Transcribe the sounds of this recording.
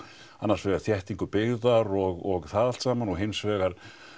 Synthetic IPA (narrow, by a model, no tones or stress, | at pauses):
anːaɾ̥svɛːɣaɾ̥θjɛht̪iŋkʏpɪɣðaɾɔɣɔɣθaːðalt̪saːmanɔɣɦensvɛːɣaɾ̥